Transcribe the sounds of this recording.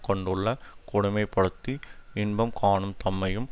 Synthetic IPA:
kɔɳɖɯɭːɐkʊɽʊmɐɪpːɐɽɯt̪ːiɪnbɐmkʰaːɳɯmt̪ɐmːɐjɯm

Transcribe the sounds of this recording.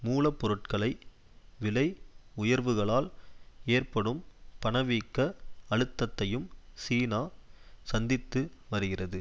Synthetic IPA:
muːlɐpːɔɾɯʈ̚kɐɭɐɪ | ʋɪlɐɪʊjɐɾʋɯɣɐɭaːleːrpɐɽɯmpɐɳɐʋiːkːɐɐɻɯt̪ːɐt̪ːɐjɯmsiːnaːsɐnd̪ɪt̪ːɯʋɐɾɯɣɪrɐðɯ

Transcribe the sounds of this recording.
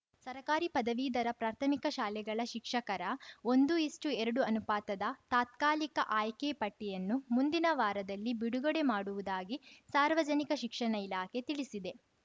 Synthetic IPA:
sɐɾɐkaːɾipɐd̪ɐʋiːd̪ɐɾɐpɾaːɾt̪ʰɐmikɐʃaːlɛɡɐɭɐʃikʂɐkɐɾɐo̞nd̪uisʈuɛɾɐɽuɐnupaːt̪ɐd̪ɐt̪aːt̪̚kaːlikɐʔaːjkepɐʈːɛjɐnːumund̪inɐʋaːɾɐd̪ɐlːibiɽuɡɐɽemaːɽuʋud̪aːɡisaːɾʋɐd͡ʒɐnikɐʃikʂɐɳɐilaːkʰe̞t̪iɭisid̪e̞

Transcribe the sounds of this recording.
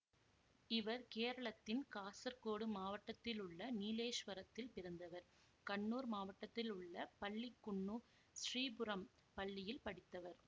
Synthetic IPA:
ɪʋɐɾkeːɾɐɭɐt̪ːɪnkaːsɐɾkoːɽɯmaːʋɐʈːɐt̪ːɪlʊɭːɐniːleːʂʋɐɾɐt̪ːɪlpɪɾɐnd̪ɐʋɐɾ | kɐɳːuːɾmaːʋɐʈːɐt̪ːɪlʊɭːɐpɐɭːɪkːʊɳːu | sriːbʊɾɐm | pɐɭːɪjɪlpɐɽɪt̪ːɐʋɐɾ

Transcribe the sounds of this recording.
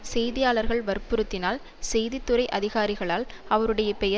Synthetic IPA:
sɛjðɪjaːɭɐɾɣɐɭʋɐɾpɯɾɯt̪ːɪnaːl | sɛjðɪt̪ːɯɾɐɪʔɐðɪɣaːɾɪɣɐɭaːlɐʋɐɾɯɽɐjɐpɛjɐ

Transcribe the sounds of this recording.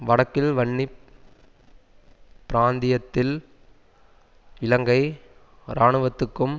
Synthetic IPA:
ʋɐɽɐkːɪlʋɐɳːi | pːɪɾaːnd̪ɪjɐt̪ːɪl | ɪlɐŋɡɐɪ | ɾaːɳɯʋɐt̪ːɯkːɯm

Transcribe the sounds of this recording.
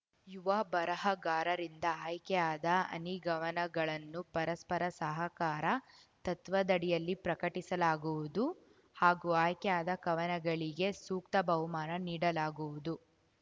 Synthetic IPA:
juʋɐbɐɾɐɦɐɡaːɾɐɾind̪ɐaːjkɛjaːd̪ɐɐ̰niɡɐʋɐnɐɡɐɭɐnːupɐɾɐspɐɾɐsɐɦɐkaːɾɐ | t̪ɐt̪ʋɐd̪ɐɽijɐlːipɾɐkɐʈisɐlaːɡuʋud̪u | haːɡuaːjkɛjaːd̪ɐkɐʋɐnɐɡɐɭiɡe̞suːkt̪ɐbɐwmaːɾɐniːɽɐlaːɡuʋud̪u

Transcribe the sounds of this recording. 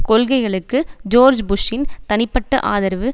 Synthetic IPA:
kɔɭɣɐɪɣɐɭɯkːɯd͡ʒoːɾd͡ʒbʊʂɪnt̪ɐnɪpːɐʈːɐʔa̰ːðɐɾʋɯ

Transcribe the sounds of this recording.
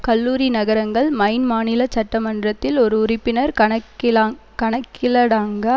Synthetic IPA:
kɐlːuːɾinɐɣɐɾɐŋɡɐɭmɐɪnmaːnɪlɐt͡ʃɐʈːɐmɐndrɐt̪ːɪlɔɾɯʊrɪpːɪnɐɾɐ | kɐɳɐkːɪlɐɽaːŋɡɐ

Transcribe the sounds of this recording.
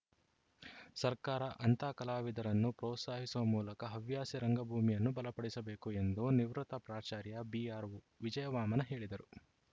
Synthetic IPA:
sɐɾkaːɾɐʔɐnt̪aːkɐlaːʋid̪ɐɾɐnːupɾɔːt̪saːɦisuʋɐmuːlɐkɐɦɐʋjaːsiɾɐŋɡɐbʱuːmijɐnːubɐlɐpɐɽisɐbeːkue̞nd̪uniʋɾut̪ɐpɾaːt͡ʃaːɾjɐbiaːɾʋu | ʋid͡ʒɐjɐʋaːmɐnɐɦe̞ːɭid̪ɐɾu

